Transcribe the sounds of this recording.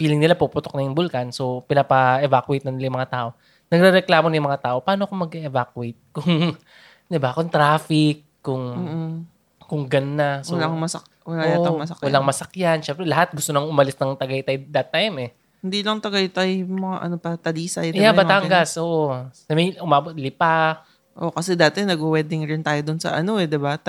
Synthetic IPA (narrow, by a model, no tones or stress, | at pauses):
fiːlɪŋnɪlapupʊt̪ok̚nɐjʊŋbʊlkɐnso̞pɪnapɐʔɛvakwejt̪nɐnɪlajʊmɐŋat̪aːʔo̞ | nɐɡ̚ɾɛɾɛklaːmojʊmɐŋat̪aːʔo̞pɐaːnoɐko̞mɐɡɛɛvakwejt̪̚kʊŋ | d̪ɪbakʊŋt̪ɾaːfɪk̚ːʊŋmː | kʊŋɡɐnːaswlaŋmɐsɐk | wɐlajat̪mɐsɐkwɐlaŋmɐsɐkjanʃɛmpɾɛlɐɦat̪̚ɡʊst̪onɐŋʊmɐlɪsnɐŋt̪ɐɡɐjt̪ajd̪ɐt̪ːajmɛ | hɪnd̪iːlɐŋt̪ɐɡɐjt̪ɐjmɐŋa̰ʔɐ̰nopɐt̪ɐliːsɐjt̪jabɐt̪aŋɡɐsʔoːʔoɐmejʔʊmaːbot̪̚lɪpa | ʔo̞kɐsɛd̪at̪ɪjnɐɡ̚ʊwɛd̪ɪŋɾɪnt̪aːjod̪ʊnsɐ̰ʔɐ̰no̞ɛd̪ɪbat̪